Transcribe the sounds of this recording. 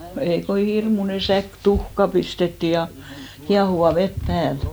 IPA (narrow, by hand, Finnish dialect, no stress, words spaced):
no ei ko hirmune sæk tuhkɑ pistetːi jɑ kiɑhuʋɑ ʋet pæːl